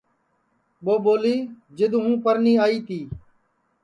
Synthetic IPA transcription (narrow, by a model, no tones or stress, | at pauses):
ɓoːɓoːliː | d͡ʒɪd̪ɦũːpəɾniːaːiːt̪iː